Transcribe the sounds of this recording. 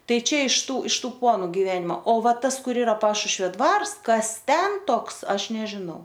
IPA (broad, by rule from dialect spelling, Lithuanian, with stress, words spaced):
ˈtɐɪ ˈt͡ʃʲɛ ɪʃ ˈtuː ɪʃ ˈtuː ˈpoːnʊ ɡʲɪˈʋʲæːnʲɪmoː oː ˈʋɐ ˈtɐs ˈkʊr ˈɪrɐ ˈpɑːʃʊʃʲʋʲoː ˈdʋɐrs ˈkɐs ˈtʲɛn ˈtoːks ˈɐʃ nʲɛʒʲɪˈnɐʊ